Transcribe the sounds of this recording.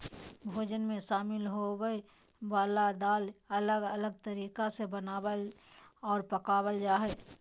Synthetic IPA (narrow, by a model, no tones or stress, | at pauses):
bʱoːd͡ʒənmẽʃaːmɪlɦowəe | ʋaːlad̪aːlələɡələɡ̚t̪əɾiːkasebənaːwəlɔːɾpəkaːwəld͡ʒaːɦɛː